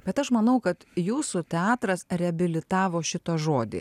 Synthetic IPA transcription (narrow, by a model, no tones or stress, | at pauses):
b̥ʲɛt̪ɐʃmɐnɐʊkɐt̪juːsut̪ʲɛɑːt̪ɾɐsɾʲɛɐbʲɪlʲɪt̪ɑːʋoːʃʲɪt̪oʒoːd̪ʲḭː